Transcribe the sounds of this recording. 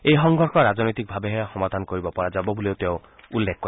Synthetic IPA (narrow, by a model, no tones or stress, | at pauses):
eɦɔŋɡʱɔɾkʰɔɾad͡ʒɔnɔjt̪ik̚bʱabeɦeaxɔmad̪ʱanɔkɔɾibɔpɔɾad͡ʒabɔbuliot̪ew | ulːekʰɔkɔɾ